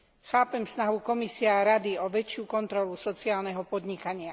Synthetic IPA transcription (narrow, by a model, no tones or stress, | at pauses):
xaːpɛmfsnaɦukɔmisiɛaɾad̪iɔʋɛt͡ʃɪukɔnt̪ɾɔlusɔt͡siaːlnɛɦɔpɔd̪ɲikaɲɪa